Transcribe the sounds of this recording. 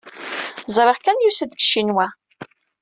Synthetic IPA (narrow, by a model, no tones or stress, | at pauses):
zˤɾˤeʁkænjusæd̪ɡʃːinwæ